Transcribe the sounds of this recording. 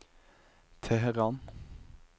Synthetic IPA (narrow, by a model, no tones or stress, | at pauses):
t̪ʰɛɦɛʁɑːn